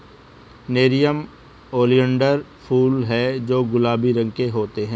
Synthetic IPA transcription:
neːɾijəm | oːlijə̃ɳɖəɾpʰuːlɦɛd͡ʒoːɡʊlaːbiɾə̃ŋkeɦoːt̪eɦɛ̃ː

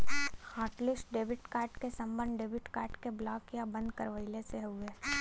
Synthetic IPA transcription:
haːʈlɪsʈɖeːbɪʈkaːʈkesɐ̃mbə̃nd̪ɖeːbɪʈkaːʈkeblaːkjabɐ̃nd̪kɐɾʋəɪleseɦʊeː

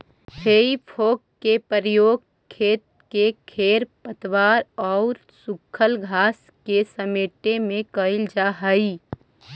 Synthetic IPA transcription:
heːipʰoːkkepəɾjoːɡ | kʰːeːt̪̚ | kekʰeːɾpət̪waːɾɔːɾ | sʊkʰːəlɡʱaːs | kesəmeːʈemẽkəɪld͡ʒaːɦəi

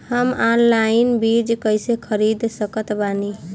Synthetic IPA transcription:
həmanlainbiɾd͡ʒkəjsekʰəɾid̪səkət̪bani

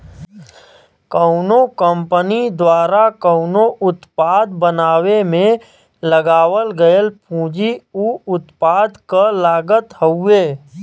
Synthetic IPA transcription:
kəʊnokə̃mpənid̪waːɾakəʊnoʔʊt̪paːd̪bənaːwemẽ | ləɡaːwəlɡəəlpũːd͡ʒiuʊt̪paːd̪kəlaːɡət̪ɦəeː

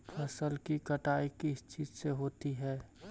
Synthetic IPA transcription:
pʰɐsəlkikəʈaːikɪst͡ʃiːd͡ʒseɦoːt̪iɦɛː

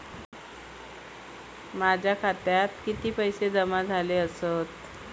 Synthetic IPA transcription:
mad͡ʑʱjakʰat̪jat̪kit̪iːpəjsed̪əmad͡zʱaleəsot̪

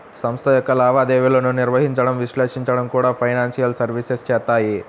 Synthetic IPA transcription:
sɐmst̪ʰɐjɔkːɐlaːʋaːd̪eːʋiloːnuniɾʋɐɦiɲt͡ʃɐɽɐmʋiʃleːʂiɲt͡ʃɐɽɐmkuːɽaːpʰɐjnaːnsijɐlsɐɾʋisest͡ʃɛːt̪ːaːji

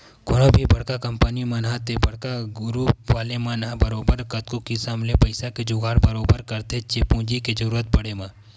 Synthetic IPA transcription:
kʊɽõbʱibɐɽkakɐmpənimɐnɦaːt̪ebɐɽkaɡʊɾuːpʋaːlemãnãbɐɾoːbəɾkɐt̪̚kokisamlepɐɪsaked͡ʒʊɡaːɾbɐɾoːbəɾkɐɾt̪et͡ʃepũːd͡ʒiked͡ʒɐɾuːɾət̪̚pɐɽemã

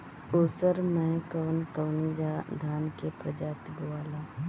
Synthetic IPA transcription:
uːsəɾmẽkəʋənkəʋnid͡ʒad̪ʱaːnkepɾəd͡ʒaːt̪buaːlaː

